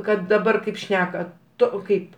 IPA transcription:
ˈkɐt dɐˈbɐr ˈkɐɪp ˈʃʲnʲæːkɐ ˈtoː ˈkɐɪp

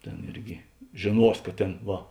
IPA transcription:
ˈtʲeːn ˈɪrʲɡʲɪ ʒʲeːˈnuɔs kɐ ˈtʲeːn ˈʋɐ

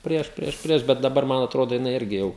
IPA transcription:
ˈpʲrʲiɛʃ ˈpʲrʲiɛʃ ˈpʲrʲiɛʃ bʲɛt dɐˈbɐr ˈmɐn ɐtˈroːdoː jɪˈnɐɪ ˈɪrʲɡʲɪ jɛʊ

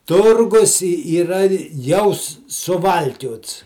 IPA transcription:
ˈtʊrɡʊs ɪ iːˈrɐ jɛʊ sʊ sʊˈʋɐlʲkʲoːts

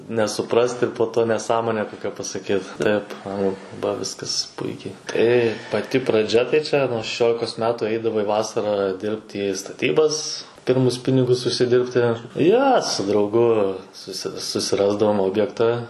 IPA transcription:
nʲɛsʊˈprɐst ɪr poː ˈtoː nʲɛˈsɑːmoːnʲɛ ˈkoːkʲɛ pɐsɐˈkʲiːt ˈtɐɪp ˈɐŋɡlˠʊ bɐ ˈʋʲɪskɐs ˈpʊɪkʲɛɪ ˈtɐɪ pɐˈtʲɪ prɐˈd͡ʒʲɛ tɐɪ ˈt͡ʃʲɛ nuɔ ʃʲɛˈʃʲoːlʲɪkoːs ˈmʲæːtʊ ˈɛɪdɐʋɐɪ ˈʋɑːsɐrɑː ˈdʲɪrpt ˈiː stɐˈtʲiːbɐs ˈpʲɪrmʊs ˈpʲɪnʲɪɡʊs ʊʃʲsʲɪˈdʲɪrʲpʲtʲɪ ˈjoː sʊ drɐʊˈɡʊ ˈsʊsʲɪ sʊsʲɪˈrɑːzdɐʋoːm ˈoːbʲjɛktɐ

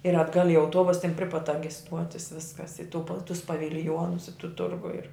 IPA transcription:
ɪr ɐdˈɡɐlʲ ɪ ɐʊˈtuɔbʊs tʲɛn pʲrʲɪ pɐt tɐ ɡʲɪ ˈstuɔtʲɪs ˈʋʲɪskɐs ɪ tʊ pɐlˠ tʊs pɐʋʲɪlʲˈjoːnʊs ɪ tʊ ˈtʊrɡʊ ɪr

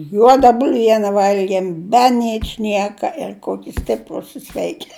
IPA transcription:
ˈjuɔdɐ bʊlʲˈʋʲiɛnʲɛ ˈʋɐlʲɡʲiɛm bʲɛ ˈnʲɪt͡ʃʲnʲiɛkɐ ɪr ˈkoːkʲɪ ˈsʲtʲɪpruːs ɪ ˈsʲʋʲɛɪkʲɪ

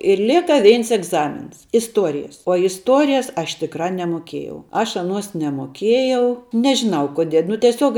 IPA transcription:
ɪr ˈlʲeːkɐ ˈʋʲɛɪns ɛɡˈzɑːmʲɪns ɪsˈtuɔrʲɪjɛs uɔ ɪsˈtuɔrʲɪjɛs ˈɐʃ tʲɪkˈrɐ nʲɛmoːˈkʲiɛjɛʊ ˈɐʃ ɐˈnuɔs nʲɛmoːˈkʲiɛjɛʊ nʲɛʒʲɪˈnɐʊ koːˈdʲiɛ nʊ tʲiɛˈsʲuɔk

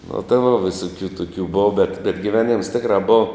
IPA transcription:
nʊ tɐɪ ʋoː ʋʲɪˈsʊkʲuː ˈtʊkʲuː ˈboːʋɐ bʲɛt bʲɛt ɡʲɪˈʋʲæːˌnʲɪms ˈtʲɪkrɐ ˈboːʋɐ

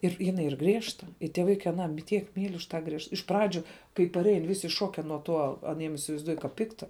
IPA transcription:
ɪr ˈjɪnɐɪ ˈiːr ˈɡrʲiɛʃtɐ ɪ tʲiɛ ˈʋɐɪkɐɪ ɐˈnɑː m tʲiɛk ˈmʲiːlʲ ʊʃ tɑː ˈɡrʲiɛʃt ɪʃ ˈprɑːd͡ʒʲʊ kɐɪ pɐˈrʲɛɪn ˈʋʲɪsʲɪ ˈʃoːkʲɛ nuɔ ˈtuɔ ɐˈnʲiɛm ɪsʲɪʋɐɪzˈduɔjʊ kɐ ˈpʲɪktɐ

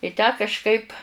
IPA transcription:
ɪ ˈtʲæː kɐʃˈkɐɪp

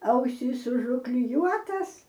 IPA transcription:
ˈɐʊsʲiːs ʊʒʊklʲɪˈjuɔtɐs

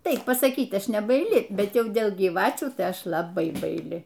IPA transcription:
ˈtɐɪp pɐsɐˈkʲiːt ˈɐʃ nʲɛbɐɪˈlʲɪ ˈbʲɛt ˈjɛʊ ˈdʲeːlˠ ɡʲiːˈʋɑːt͡ʃʲuː tɐɪ ˈɐʃ lˠɐˈbɐɪ bɐɪˈlʲɪ

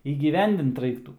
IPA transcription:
iːɡʲiːˈʋʲɛnʲdʲɪnt ˈrɐɪktuː

